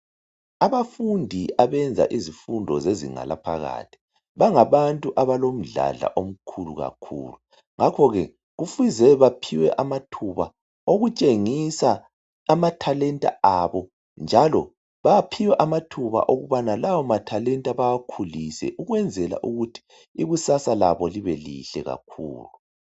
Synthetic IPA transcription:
aβafundʱiaβɛnd͡zʱa̰ʔizifundʱɔzezḭŋa̰la̰pʰa̰ɣa̰ːtʰi̥ | βaŋaβantʼuʔaβalom̩ɮa̰ɮa̰ʔom̩kʰulṵɣa̰kʰṵːlu | ŋakʰɔɣɛ̰ | ɣufizɛβapʰiwɛ̰ʔamatʰuβa | oɣut͡ʃʼeŋisaː | matʰalɛntʼa̰aβɔ | nd͡ʒʱalɔ | βapʰiwɛʔamatʰuβa̰ʔoɣuβanalawɔmatʰalɛntʼaβawakʰulisɛ̰ʔuɣwɛnd͡zʱɛla̰ʔuɣutʰi̥ | iɣusasalaβɔliβɛlḭɬɛ̰ɣa̰kʰṵːlu

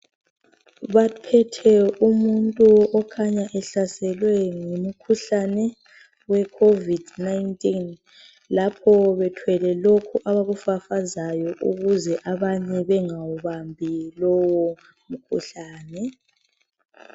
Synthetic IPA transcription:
βapʰɛtʰɛumuntʼuɔkʰaɲaʔɛɬasɛlwɛŋumukʰuɬanɛ | wɛkʰovidnajntʼin | lapʰɔβɛtʰwɛlɛlokʰuʔaβaɣufafazajɔʔuɣuzɛʔaβaɲɛβɛŋawuβambʱilɔwɔ | mukʰuɬaːnɛ

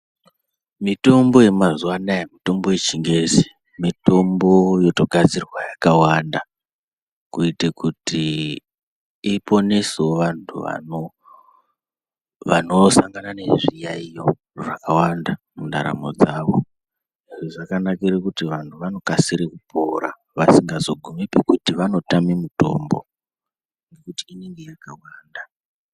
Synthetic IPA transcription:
mito̞mbo̞je̞mazuwanajemito̞mbo̞jet͡ʃiŋɡezi̥ | mito̞mbo̞jo̞to̞ɡʱad͡zirwajakawanda | kuitekuti | po̞nesoʋantʰṵʋa̰no | ʋano̞saŋɡanane̞ʐijaijo̞ | ʐakawandamunda̰ɾa̰mo̞̰d͡zaːʋo̞ | iʐiʐakanakiɾekutiʋantʰuʋano̞kasiɾekupʰo̞ɾa̰ | ʋasiŋɡazo̞ɡʱumepekutiʋano̞tamimuto̞̰mbo̞̰ | ŋɡe̞kutiːne̞ŋɡe̞jakawaːnda

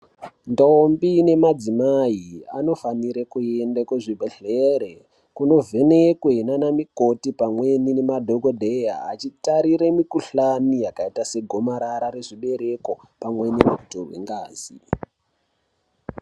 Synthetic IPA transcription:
ndombine̞mad͡zimaia̰no̞faniɾekuendakweʐibʱeɬeɾe | kuno̞vʱe̞nekwenanamiko̞tipamwe̞nine̞madʱoɡodʱeja̰ːt͡ʃitaɾiɾemikuɬanijakaitase̞ɡʱo̞maɾaɾaɾe̞ʐiɓe̞ɾe̞ko̞ | pamwenimutorwḛŋɡaːzi

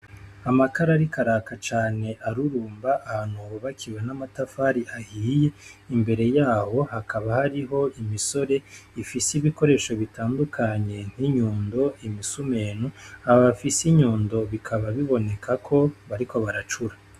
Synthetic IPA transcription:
amakaɾaɾikaɾaːkat͡ʃaːne̞ʔaɾuɾuːmbaʔahanoβoβakʰiwanamatafaɾiʔahiːje̞imbe̞ɾe̞jaːho̞hakʰaβahaɾiɦo̞imiso̞ɾe̞ifisiβiko̞ɾe̞ːʃo̞βitaːndukʰaɲe̞n̥hiɲuːndo̞imisume̞ːnuaβafisiɲuːndo̞βikʰaβaβiβo̞ne̞kʰakʰo̞βaɾiko̞βaɾat͡ʃuɾa

